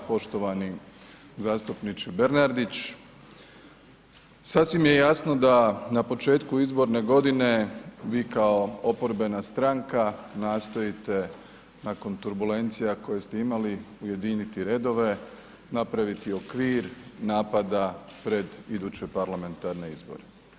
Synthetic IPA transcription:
po̞ʃt̪o̞ʋani | zaːst̪upnit͡ʃebeɾnaɾd̪it͡ɕ | sasʋimje̞jasno̞d̪anapo̞t͡ʃe̞ːt̪kuizbo̞ɾne̞ɡo̞d̪ine̞ʋiːkao̞opo̞ɾbe̞nast̪ɾaŋkanaːst̪o̞it̪e̞ | nako̞nt̪uɾbule̞nt̪sijako̞jest̪e̞imaliuje̞d̪init̪iɾe̞ːd̪o̞ʋe̞ | napɾaʋit̪io̞kʋiːɾnaːpad̪apɾe̞d̪id̪uːt͡ɕe̞paɾlame̞nt̪aɾne̞izbo̞̰ɾe

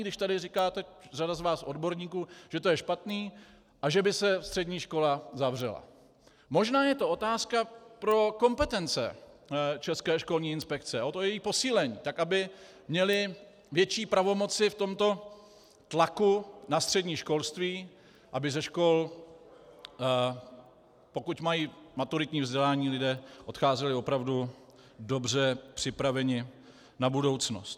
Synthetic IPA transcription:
ɡdɪʃt̪adɪrɪkaːt̪ɛr̝adazvaːsʔo̞dbo̞ɾɲiːkuːʒ̥ɛt̪ojɛʃpat̪niː | ʔaʒɛbɪsɛst̪r̥ɛdɲiːʃko̞lazavr̝ɛ̰la̰ | mo̞ʒnaːjɛt̪o̞ʔo̞t̪aːskapɾo̞ko̞mpɛt̪ɛnt͡sɛ̰ | t͡ʃɛskɛːʃko̞lɲiːɪnspɛk̚t͡sɛʔot̪ojɛjiːpo̞siːlɛɲḭːt̪akʔabɪ | mɲɛlɪ | vjɛt͡ʃiːpɾavo̞mo̞t͡sɪft̪o̞mt̪o̞ | t̪lakunast̪r̝̥ɛdɲiːʃko̞lst̪viː | ʔabɪzɛʃko̞l | po̞kucmajiːmat̪uɾɪt̪ɲiːvzɟɛlaːɲiːlɪdɛːʔo̞t̪xaːzɛlɪo̞pɾavdu | do̞br̝ɛpr̝̥ɪpɾavɛɲɪ | nabudo̞wt͡snost̪

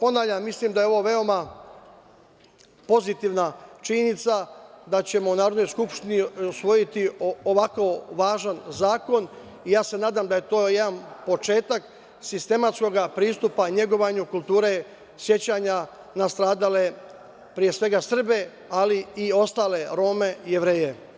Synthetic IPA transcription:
po̞naːʋʎʲammːislimd̪aje̞o̞ʋo̞ʋe̞o̞ma | po̞zit̪iʋnat͡ʃiɲenit̪sad̪at͡ɕe̞mo̞unaːɾod̪no̞jskupʃt̪iniusʋo̞jit̪ioʋako̞ʋaːʒanzaːko̞n | ijaːse̞naːd̪amd̪aje̞t̪o̞ːjed̪anpo̞t͡ʃe̞ːt̪ak | sist̪e̞mat̪sko̞ɡapɾiːst̪upaɲe̞ɡo̞ʋaɲukulˠt̪uːɾe̞ | sje̞t͡ɕaɲa | nast̪ɾaːd̪ale̞ | pɾije̞sʋe̞ɡasr̩be̞ | aliio̞st̪aːle̞ɾo̞ːme̞je̞ʋɾe̞ːje̞

